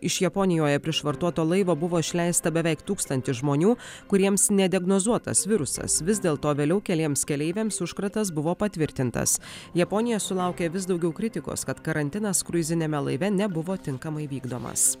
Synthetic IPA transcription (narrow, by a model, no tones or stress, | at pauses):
ɪʃjɛpɔnʲɪjoːjɛpʲɾʲɪʃʋɐɾt̪uɔt̪oːlˠɐɪʋoːbʊʋoːɪʃʲlʲɛɪst̪ɐbʲɛʋʲɛɪkt̪uːkst̪ɐnʲt̪ʲɪʒmoːnʲuː | kʊɾʲiɛmsnʲɛd̪ʲɪɛɡnozuɔt̪ɐ̰sʋʲɪɾʊsɐ̰sʋʲɪzd̪ʲeːlˠt̪oːʋʲeːlʲɛʊkʲɛlʲeɛmskʲɛlʲɛɪʋʲeːmsʊʃkɾɐt̪ɐs̬bʊʋoːpɐt̪ʲʋʲɪɾʲt̪ʲɪnt̪ɐ̰sjɛpɔnʲɪjɛsʊlˠɑˑʊkʲeːʋʲɪs̬d̪ɒʊɡʲɛʊkɾʲɪt̪ʲɪko̰skɐt̪kɐɾɐnʲt̪ʲɪnɐskɾʊɪzʲɪnʲɛːmʲɛlˠɐɪʋʲɛnʲɛbʊʋoːt̪ʲɪŋkɐmɐɪʋʲiːɡd̪o̰ːmɐ̰s